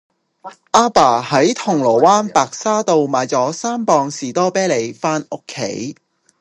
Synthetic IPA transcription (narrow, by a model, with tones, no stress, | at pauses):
ʔaː˥paː˨˩hɐ˨˥jt̪ʰʊ˨˩ŋlɔː˨˩waː˥npaː˨k̚saː˥t̪o˨˧wmaː˨˧jt͡sɔː˨˥saː˥mpɔː˧ŋsiː˨˩t̪ɔː˥pɛː˥le˨˩jfaː˥nʔʊ˥kʰːḛ˨˥j